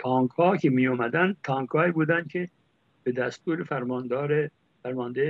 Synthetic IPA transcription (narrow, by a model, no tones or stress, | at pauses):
pʰɒːŋkhɒːkʰemijɔːmæd̪ænd̪̚t̪ʰɒːŋkʰhɒːiːbuːd̪ænd̪̥̚kʰe | b̥ed̪æst̪uːɾefæɾmɑnd̪ːɾe | fæɾmɑːnd̪e